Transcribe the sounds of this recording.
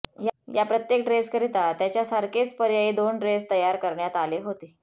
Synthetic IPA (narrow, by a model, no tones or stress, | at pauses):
jjapɾət̪jekʈɾeskəɾit̪at̪jat͡ɕjasəɾket͡spəɾjaid̪onɖɾest̪əjaɾkəɾɳjat̪aleɦot̪eː